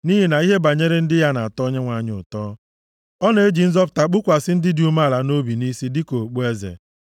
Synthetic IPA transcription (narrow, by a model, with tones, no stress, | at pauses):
ni˦ɦi˨na˨i˦ɦe˦ba˨ɲe˦ɾe˦n̩˦dɪ˦ja˦na˨a˨tɔ˦ɲe˦ŋʷa˨˦˨ɲ˦ʊ̰˨tɔː˦ | ɔ˦ne˦e˦d͡ʒi˨n̩˦zɔ˦p̬ʊ̥˨ta˨k͡pʊ˦kʷa˨sɪ˦n̩˦dɪ˦di˨u˨ma˦˨la˨no˦bi˨ni˦si˦dɪ˦ko˨k͡pu˦e˦zḛ˨